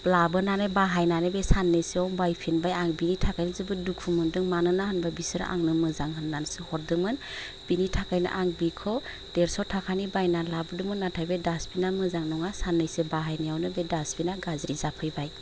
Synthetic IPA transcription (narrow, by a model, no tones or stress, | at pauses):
plabɯnanɯbaɦajnanɯbesanːɯjseɔŋbajpʰinbajaŋbinitʰakajnɯzɯbɯdukʰumɯndɯŋmanɯnahɯnbabisɯɾ̰ʔa̰ŋnɯmɯzaŋɦɯnːansɯhɔɾdɯmɯn | binitʰakajnɯ̰ʔaŋbikʰɔ | d̥eɾsɔtʰakʰanibajnalabɯdɯmɯnːatʰajbedasbinamɯzaŋnɔŋasanːɯjsɯbaɦajnijawnɯbedasbinaɡazɾizapʰɯjbaj